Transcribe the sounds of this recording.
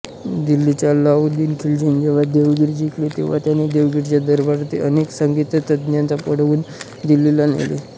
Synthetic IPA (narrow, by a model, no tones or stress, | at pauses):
d̪ilːit͡ɕjalaud̪iːnkʰild͡ʑənd͡ʑeʋ̤ad̪eʋɡiɾd͡ʑiklet̪eʋ̤a̰t̪janid̪eʋɡiɾt͡ɕjad̪əɾbaɾt̪iʔəneksəŋɡit̪ət̪əd̪njant͡sapəɽʋuːn | d̪ililanḛlḛ